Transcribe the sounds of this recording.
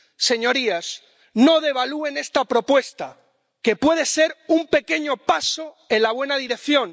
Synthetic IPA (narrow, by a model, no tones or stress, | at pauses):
se̞ɲo̞ɾias | no̞ðe̞β̞alue̞ne̞st̪apɾo̞pwe̞st̪a | ke̞pwe̞ðese̞ɾumpe̞ke̞ɲo̞paso̞ | e̞nlaβ̞we̞naðiɾe̞kθjo̞n